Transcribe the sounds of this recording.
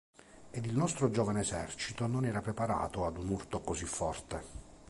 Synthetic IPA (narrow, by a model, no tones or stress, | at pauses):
ed̪ilnɔst̪ɾod͡ʒɔːvaneːsɛ̰rt͡ʃit̪ononɛːɾapɾepaɾa̰ːt̪oad̪unurt̪okozifːɔrt̪e